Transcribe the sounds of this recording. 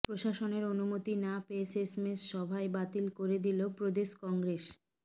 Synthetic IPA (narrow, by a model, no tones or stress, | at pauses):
pɾoʃaʃoneɾonumot̪inapesesmesʃɔbʱaebat̪ilkoɾed̪ilopɾod̪eʃkɔŋɡɾeʃ